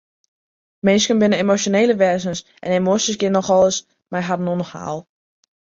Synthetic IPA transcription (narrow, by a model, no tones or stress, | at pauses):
mɪnskənbɪnəemosjoneːləʋɛzənsʔɛ̰nemosəsɡɪnːɔxɔlˠəs | majɦadənonɔxha̰ːlˠ